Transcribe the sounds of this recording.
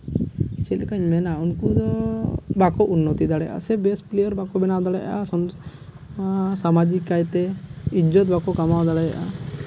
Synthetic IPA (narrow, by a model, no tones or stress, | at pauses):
t͡ʃɛlkaɲmɛnaunkud̪ɔbakɔʔunːɔt̪id̪aɽɛʔa̰sɛbɛsplɛjɔɾbakɔbɛnawd̪aɽɛj̰ʔasɔn | samad͡ʒikːajt̪ɛid͡ʒɔt̪̚bakɔkamawd̪aɽaja̰ʔa